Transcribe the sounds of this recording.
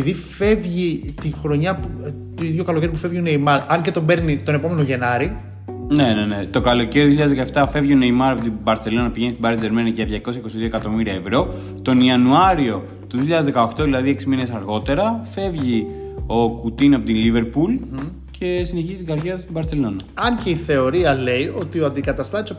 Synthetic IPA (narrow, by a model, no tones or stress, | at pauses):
iðife̞vʝit̪ixɾo̞ɲɐput̪oiðʝokɐloceɾip̬ufe̞vʝionejmɐɾɐɲce̞t̪o̞be̞ɾnit̪o̞ne̞po̞me̞noʝe̞nɐɾi | ne̞ne̞ne̞t̪o̞kɐlo̞ceɾioðioçiʎɐðzðkɐeft̪ɐfe̞vʝio̞nejmɐɾɐpot̪ibɐɾt̪se̞lo̞nɐpiʝe̞nist̪ibɐɾieɾmenɐʝɐðʝɐko̞sjɐiko̞siðioekɐt̪o̞miɾiɐevɾo̞ | t̪o̞niɐnuɐɾio̞ | t̪uðiçiʎɐðezðekɐo̞xt̪oðilɐðieksimine̞sɐɾɣo̞t̪e̞ɾɐfe̞vʝio̞kut̪inɐpot̪ilive̞ɾpul | cʰe̞sine̞çizit̪iɡɐɾʝeɾɐst̪ibɐɾtse̞lo̞nɐɐɲceiθe̞o̞ɾiɐle̞io̞t̪ioɐnd̪ikɐt̪ɐst̪ɐis